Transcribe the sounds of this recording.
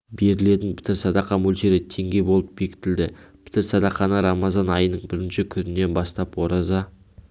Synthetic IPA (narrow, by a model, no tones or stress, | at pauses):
be̞ɾɪle̞t̪ɪnpʰɪ̥t̪ɪɾsɑd̪ɑqːɑmɵlʃe̞ɾɪt̪ʰe̞ŋɡʲe̞jbo̞lˠəp̚be̞kʲɪ̥t̪ɪld̪ɪpʰɪ̥t̪ɪɾsɑd̪ɑqːɑnɑɾɑmɑzɑnɑjənəɴbɪɾɪnʃɪkʲʰʏnɪne̞nbɑst̪ɑpwo̞ɾɑzɑ